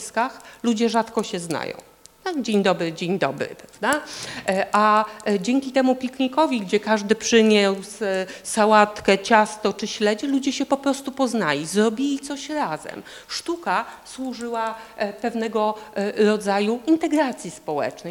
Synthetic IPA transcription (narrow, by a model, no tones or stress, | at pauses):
skaxlud͡ʑɛʐat̪kɔɕɛzna̰jɔ̰̃w̃ | t̪ad͡ʑeɲd̪ɔbɾɘd͡ʑeɲd̪ɔbɾɘ̰pɾavd̪a | ʔad͡ʑɛŋkʲit̪ɛmupʲikɲikɔvʲiɡd͡ʑɛkaʐd̪ɘpʂɘɲɛsssawat̪kɛt͡ɕast̪ɔt͡ʂɘɕlɛd͡ʑɛlud͡ʑɛɕɛpɔpɾɔst̪upɔznalʲizɾɔbʲilʲit̪sɔɕɾazɛ̰m | ʂt̪ukaswuʐɘwapɛvnɛɡɔɾɔd̪zajuint̪ɛɡɾat̪sʲjispɔwɛ̰t͡ʂnɛj